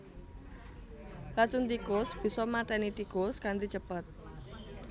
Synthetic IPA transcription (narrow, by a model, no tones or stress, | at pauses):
lat͡ʃunt̪ikosb̥i̤sɔmat̪ɛnit̪ikoskant̪it͡ʃəpət̪̚